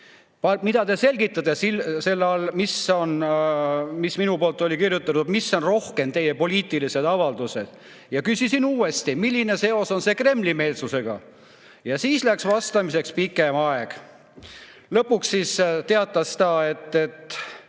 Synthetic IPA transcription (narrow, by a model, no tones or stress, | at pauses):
pɑmid̪̥ɑt̪e̞se̞lɡit̪ːˑɑt̪ːˑesilse̞lːɑlmiso̞n | misminupoːlt̪ːˑo̞lʲikirjut̪ːˑɑt̪ud̪̥misːo̞nro̞hke̞mt̪e̞jepo̞liːt̪ˑilise̞d̪ɑvɑld̪̥use̞d̪̥ | jɑkysʲisinuːe̞st̪imilʲːine̞se̞o̞so̞nse̞kre̞mlime̞ːlsuse̞ɡ̥ɑ̰ | jɑsiːslæksvɑst̪ɑmise̞kspikːˑe̞mɑeɡ̥ | lɤpːˑuksːist̪e̞ɑt̪ːˑɑsd̪ɑet̪ˑːe̞t̪ːˑ